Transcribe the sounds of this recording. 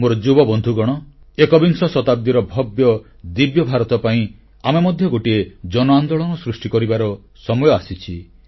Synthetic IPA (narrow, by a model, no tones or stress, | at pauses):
moɾɔd͡ʒubɔbɔnd̪ʱuɡɔɽ̃ɔ | ekɔbiŋsɔsɔt̪ab̚d̪iɾɔbʱɔbjɔ | d̪ibjɔbʱaɾɔt̪ɔpaĩ | amemɔd̪ʱjɔɡoʈied͡ʒɔnɔand̪oɭɔnɔsɾusʈikɔɾibaɾɔ | sɔmɔjɔasit͡ʃʰi